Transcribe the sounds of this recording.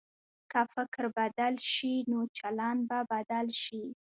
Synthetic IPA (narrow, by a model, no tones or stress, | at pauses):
kafɪkɾbad̪alʃinot͡ʃalɑnbabad̪alʃi